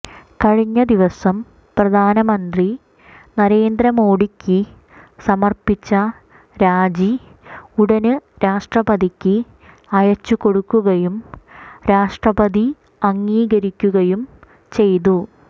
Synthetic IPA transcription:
kɐɻiɲːɐd̪iʋɐsɐm | prɐd̪ʱaːnɐmɐnd̪ri | nɐɾe̞ːnd̪ɾɐmoːɽikʲːɨ | sɐmɐrpit͡ɕːɐ | ɾaːd͡ʑi | uɽɐnɨɾaːʂʈrɐbɐd̪ikʲːɨ | ɐjɐt͡ɕːuko̞ɽukːuɣɐjumɾaːʂʈrɐbɐd̪i | ɐŋːiːɣɐɾikʲːuɣɐjum | t͡ɕe̞jt̪u

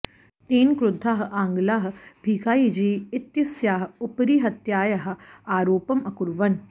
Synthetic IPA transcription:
t̪iːnkɾʊd̪ʱːaːɦʔãːŋɡlaːɦ̆bʱiːkaːid͡ʒiːɪt̪jɐsjaːɦʊpɾiːɦɐt̪jaːjɐɦ̆aːɾoːpɐmɐkʊɾʋɐn

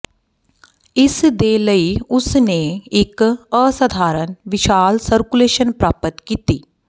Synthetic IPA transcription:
ɪsd̪eːləiʊsneɪkəsɐd̪ʱaːɾənʋɪʃaːlsəɾkuleːʃənpɾaːpət̪kiːt̪iː

